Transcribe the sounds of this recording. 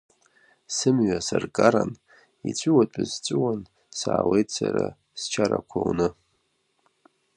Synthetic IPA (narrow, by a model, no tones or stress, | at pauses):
sɨmɥasarkʼaɾan | it͡ɕʷʰʼɨwatʼazt͡sʷʼɨwan | saːwejtʰsʰaɾa | st͡ʃʰaɾakʷʰawnɨ